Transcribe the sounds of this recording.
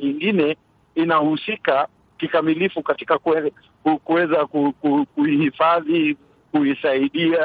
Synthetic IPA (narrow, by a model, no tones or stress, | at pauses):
ɲiŋɡinɛ | inahusika | kikamilifukati̥kakɛ | ukuwɛzakukukuihifaði | kuisaiɗia